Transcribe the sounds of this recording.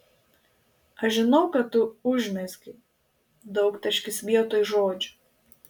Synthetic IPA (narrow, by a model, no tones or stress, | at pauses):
ɐʃʒʲɪnɔʊkɐt̪ːʊʊʒʲmʲɛsʲkʲɪ | d̪ɐʊkt̪ʲɐʃʲkʲɪsʋʲiɛt̪oːjʒoːd͡ʒʲʊ